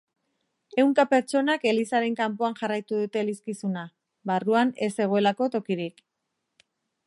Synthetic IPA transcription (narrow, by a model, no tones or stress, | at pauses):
e̞wŋkape̞ɾt͡ʃo̞nake̞lisaɾe̞ŋkampoaŋxarajt̪uðut̪e̞liskisuna | βaruane̞se̞ɣ̞o̞e̞lako̞t̪o̞kiɾik